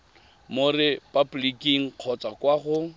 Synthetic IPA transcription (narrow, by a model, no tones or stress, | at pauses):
morɪpʼablikiŋ̩q͡χʰɔt͡sʼakwaχʊ